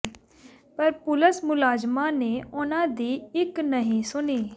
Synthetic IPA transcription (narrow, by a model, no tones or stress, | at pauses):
pəɾpʊləsmʊlaːd͡ʒmaːneːʊnãːd̪iːɪknəɦĩːsʊniː